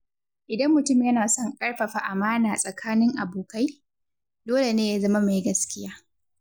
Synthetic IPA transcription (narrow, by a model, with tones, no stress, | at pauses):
ʔɪ˨dɐ˦mːʊ˨tʊ˦˨mjɐ˦naː˨sɔ˦˨ŋkʼɐ˦ɽɸɐ˨ɸa˨ʔa˨maː˦naː˨sʼɐ˨kʰaː˦nɪ˦ŋʔa˨boː˨ka˦j | doː˦le˨neː˦ja˦zɐ˦ma˦ma˨jɡɐ˦skʲɪ˦jaː˦